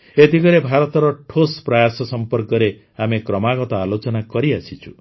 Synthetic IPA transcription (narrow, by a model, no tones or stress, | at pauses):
et̪iɡɔɾebʱaɾɔt̪ɔɾɔʈʰospɾajasɔsɔmpɔɾkɔɾe | amekɾɔmaɡɔt̪ɔalot͡ʃɔnakɔɾiasʰit͡ʃʰu